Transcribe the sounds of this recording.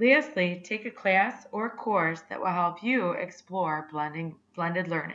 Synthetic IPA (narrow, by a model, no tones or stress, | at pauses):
læsˡlitʰeɪkɨkʰl̥æsə˞əkʰɔɹsðɨ̰ʔwʔɪ̰lˠɦɛlˠpʰjɨɛ̰ksplɔɹblʌ̃ndɪ̃ŋb̥lʌ̃ndɨdˡlɜ˞nɪ̰̃